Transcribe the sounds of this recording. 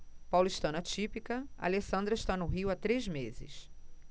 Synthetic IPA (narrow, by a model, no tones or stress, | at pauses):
pawlʊiʃt̪ɐ̃nɐt͡ʃipikɐa̰lesɐ̃nd̪ɾɐɪʃt̪anʊɦiwat̪ɾezmezɪ̰s